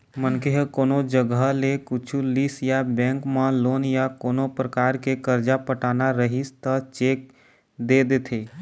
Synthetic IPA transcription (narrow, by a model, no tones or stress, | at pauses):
mənkeɦkoːnod͡ʒəɡəɦlekʊt͡ʃʰulisjabɛ̃ːŋkmãloːnjakoːnopɾəkaːɾkekəɾd͡ʒapəʈaːnaɾəɦist̪ət͡ʃeːk̚ | d̪eːd̪et̪ʰeː